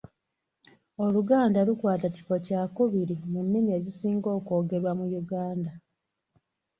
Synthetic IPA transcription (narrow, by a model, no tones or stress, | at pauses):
o̞luɡaːndalukwaːtaci̥fo̞caːkuβiɾimunːimie̞ːɟisiːŋɡo̞ːko̞ːɡe̞ɾwamujuɡaːnda